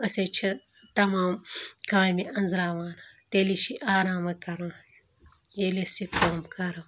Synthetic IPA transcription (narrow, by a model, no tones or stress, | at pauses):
ɐset͡ʃʰɐ | t̪ɐmaːmkãːjmiʔɐnzɾaːʋaːnɐt̪eliʃiʔaːɾaːmɐkɐɾɐn | jelesikoːmkɐɾɐ